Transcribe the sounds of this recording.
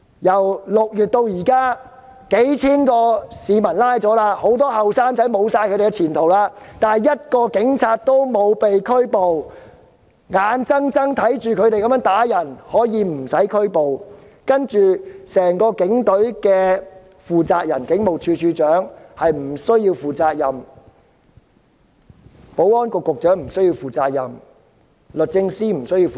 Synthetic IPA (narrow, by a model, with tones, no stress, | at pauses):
jɐ˨˩wlʊ˨k̚jyː˨t̚t̪o˧wjiː˨˩kaː˥ | ke˨˥jt͡sʰiː˥nkɔː˧siː˨˧mɐ˨˩nlaː˥jt͡sɔː˨˥laː˧ho˨˥wt̪ɔː˥hɐ˨wsaː˥ŋt͡sɐ˨˥jmo˨˧wsaː˧jkʰɵ˧ɾe˨˩kɛ˧t͡sʰiː˨˩nt̪ʰo˨˩wlaː˧t̪aː˨nɐ˨˩jɐ˥t̚kɔː˧kɪ˨˥ŋt͡sʰaː˧t̚t̪o˥wmo˨˧wpe˨jkʰɵ˥ɥpo˨w | ŋaː˨˧nt͡sɐ˥ŋt͡sɐ˥ŋt̪ʰɐ˨˥jt͡ʃyː˨kʰɵ˨˧ɥt̪e˨jkɐ˧mː˧˥nt̪aː˨˥jɐ˨˩nhɔː˨˥jiː˨˧m̩˨˩sɐ˨˥jkʰɵ˥ɥpo˨w | kɐ˥nt͡ʃyː˨sɛː˨˩ŋkɔː˧kɪ˨˥ŋt̪ɵ˨˥ɥkɛː˧ | fuː˨t͡saː˧k̚jɐ˨˩nkɪ˨˥ŋmo˨wt͡ʃʰyː˧t͡ʃʰyː˧t͡ʃœː˨˥ŋhɐ˨jm̩˨˩sɵ˥ɥji˧wfuː˨t͡saː˧k̚jɐ˨˩m | po˨˥wɔː˥nkʊ˨kːʊ˨k̚t͡ʃœː˨˥ŋm̩˨˩sɵ˥ɥji˧wfuː˨t͡saː˧k̚jɐ˨˩m | lɵ˨t̚t͡sɪ˧ŋsiː˥m̩˨˩sɵ˥ɥjiː˧wf